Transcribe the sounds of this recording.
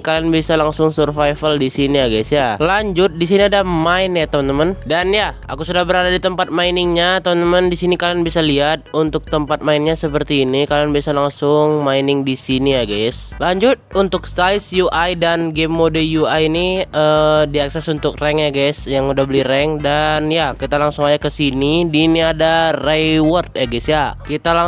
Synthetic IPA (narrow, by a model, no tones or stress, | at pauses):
kalanbisalaŋsʊŋsurfajfaldisiniaɡɛsjalaɲd͡ʒʊt̪̚disiniadamaɪnjat̪əmənt̪əməndanjaa̰kusudahbəɾadadit̪əmpat̪̚mainɪŋɲat̪əmənt̪əməndisinikalanbisaliɦat̪̚unt̪ʊk̚t̪əmpat̪̚mainɲasəpərt̪iːnikalanbisalaŋsʊŋmainɪŋdisinijaɡɛslaɲd͡ʒʊt̪̚unt̪ʊk̚sajsjuʔajdanɡemːodəjuajniədiaksɛsunt̪ʊk̚rɛŋjaɡɛsjaŋudahbəliɾɛŋdanjakit̪alaŋsʊŋajakəsinidiːniadarawɔrt̪̚jaɡɛsjakit̪ala